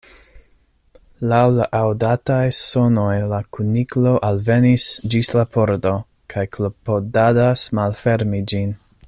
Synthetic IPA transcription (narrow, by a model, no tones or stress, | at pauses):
lawlaʔawdatajso̞no̞jlakʰuniklo̞ʔalve̞nisd͡ʒislapʰo̞ɾdo̞ | kʰajklopodadasmalfe̞ɾmid͡ʒin